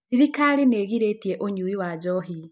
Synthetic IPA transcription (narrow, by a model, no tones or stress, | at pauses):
iɾikaɾineːɣiɾetieʔoɲuwiwad͡ʒɔɦi